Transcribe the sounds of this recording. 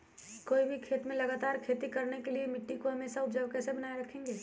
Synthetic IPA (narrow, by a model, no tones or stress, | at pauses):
koːibʱikʰeːt̪mẽlɐɡaːt̪aːɾkʰeːt̪ikɐɾnekeliemɪʈːikoɦɐmeːsaʊpd͡ʒəʋkɛːsebɐnaːeɾɐkʰẽːŋɡeː